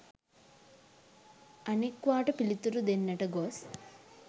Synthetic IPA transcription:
ɐnekʋaːʈɐpilit̪uɾud̪enːɐʈɐɡoːs

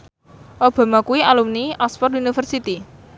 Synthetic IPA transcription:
ʔob̥a̤makuwialumniʔaspɔrunifərsit̪i

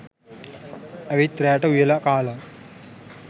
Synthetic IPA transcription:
ɐʋit̪ɾɛːʈɐujɐlɐkaːlɐ

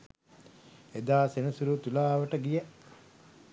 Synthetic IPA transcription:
ed̪aːsenəsuɾut̪ulaːʋəʈəɡijə

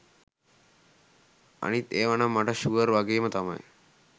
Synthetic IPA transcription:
a̰ɽ̃it̪eːʋaɳ̃amaʈʰaɕuɡəɾʋaɡemət̪ama̰j

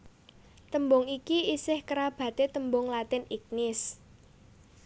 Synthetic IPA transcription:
t̪əmbʊŋikiisɪhkəɾab̥ä̤t̪et̪əmbʊŋlat̪ɪnik̚nɪs

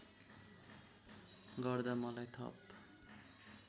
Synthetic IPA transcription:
ɡʌɾd̪amʌlajt̪ʰʌ̰p

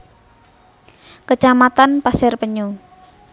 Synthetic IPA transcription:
kət͡ʃamat̪anpasɛrpəɲo

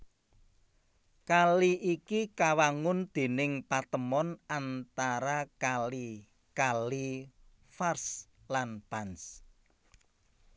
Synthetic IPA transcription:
kaliʔikikawaŋʊnd̪̥e̤nɪŋpat̪əmɔnant̪aɾakali | kali | fars | lanpans

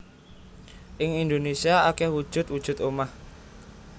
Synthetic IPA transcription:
ʔɪŋind̪onesiaakɛhwu̥ʒ̥ʊ̤t̪̚wud̥ʒ̥ʊ̤t̪omah

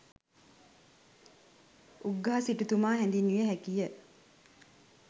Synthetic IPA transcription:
uɡːaɦɐsiʈut̪umaːɦɛnd̪inujeɦækijə

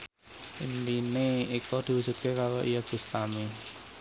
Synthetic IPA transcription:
ind̪ineikɔd̪̥i̤wusup̪̚kekaɾɔʔijaɡ̥ṳst̪ami

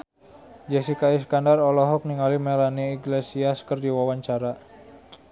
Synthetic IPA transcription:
d͡ʒɛsikaiskandarɔlɔɦɔk̚niŋalimelaniiɡlesiaskərdiwawaɲt͡ʃaɾa

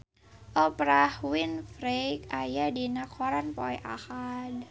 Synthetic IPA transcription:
ʔɔpɾahwinfɾekajadinːakʰɔɾanpɔjʔa̰xaːn

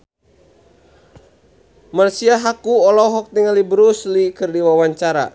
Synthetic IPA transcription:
marsiaɦakuɔlɔɦɔk̚t̪iŋalibɾuslikɨrdiwawaɲt͡ʃaɾa̰

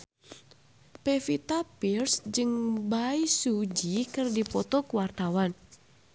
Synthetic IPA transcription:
pefit̪apirsd͡ʒɨŋbaisud͡ʒikɨrdipɔt̪ɔkuwart̪awan

